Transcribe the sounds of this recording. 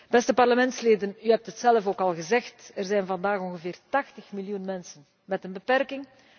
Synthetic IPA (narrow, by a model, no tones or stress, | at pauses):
b̥ɛstəpɑrləmɛntsleːdənyɦɛp̚tɦətsɛləfoːkɑlˠɣəzɛxtərzɛjnvɑndaːxɔŋɣəvɪːrtɑxtəxmiljunmɛnsən | mɛtənbəpɛrkɪŋ